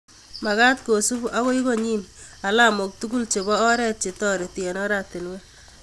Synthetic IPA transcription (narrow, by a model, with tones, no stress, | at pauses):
ma˨ka˦tko˨su˦bu˦ʔa˦ko˦i˦ko˦˨ɲi˦na˨la˦mo˨k̚tu˦ɡu˦lt͡ʃe˨bɔː˦ɾɛ˦t̚t͡ʃe˨tɔ˦ɾe˨ti˨ɛ˨nɔ˦ɾa˦te˨nwe˦